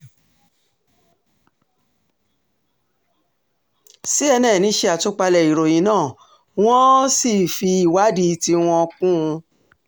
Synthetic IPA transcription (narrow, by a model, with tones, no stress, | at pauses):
si˦ɛ˧nɛ̃˦˨nĩ˨˦ʃe˧a˨to˦k͡pa˧lɛ˨i˨ɾo˨jĩ˨˦nãː˦˨ | w̃ɔ̃˦si˦˨fi˧i˨wa˨˦di˧˦ti˧w̃ɔ̃˧kũ˦ũ˧